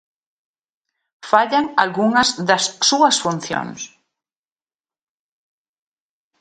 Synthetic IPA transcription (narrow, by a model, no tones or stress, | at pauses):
faʎaŋalɣuŋɐzðɐsːuɐsfun̟θjo̰ŋs